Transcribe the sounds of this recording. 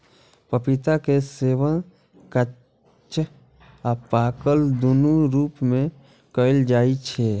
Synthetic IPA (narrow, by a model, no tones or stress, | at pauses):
pəpit̪akeseːʋə̃ | kə | t͡ʃ | apaːkəld̪ʊnuɾuːpmẽ | kəɪld͡ʒaːit͡ʃʰɛ